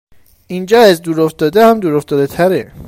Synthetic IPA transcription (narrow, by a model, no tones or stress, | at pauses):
ind͡ʒɒːæzd̪uːɾoft̪ɒːd̪ehæmd̪uːɾoft̪ɒːd̪et̪ʰæɾe